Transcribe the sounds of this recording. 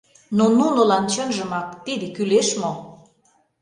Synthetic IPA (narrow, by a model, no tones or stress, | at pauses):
nonunŏlɑnt͡ɕə̆nʒəmɑk̚t̪id̪ekyleʃmo